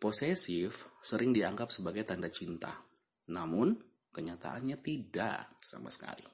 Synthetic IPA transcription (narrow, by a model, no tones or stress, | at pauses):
posesɪfsəɾɪŋdiaŋɡap̚səbaɡajt̪andat͡ʃint̪a̰ | namʊn | kəɲat̪a̰ʔanɲat̪ida̰sa̰ma̰sə̥ka̰lḭ